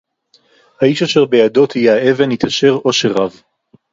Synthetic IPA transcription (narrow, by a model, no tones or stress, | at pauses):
haiʃaʃeʁbejado̞t̪hijeaevenit̪aʃe̞ʁo̞ʃeʁav